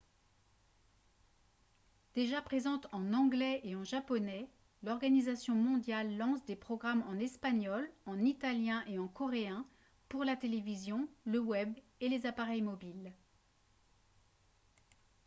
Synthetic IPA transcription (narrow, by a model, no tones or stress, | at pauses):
d̪̥eʒapχezɑ̃t̪ɑ̃nɑ̃ɡlɛʔeɑ̃ʒapɔnɛ | lɔʁɡanizasjɔ̃mɔ̃d̪jalːɑ̃sd̪epχɔɡʁamɑ̃nɛspaɲɔlɑ̃nit̪aljɛ̃ʔeɑ̃kɔʁeɛ̃ | puʁlat̪elevizjɔ̃ləwɛb | elezapaʁɛjmɔbil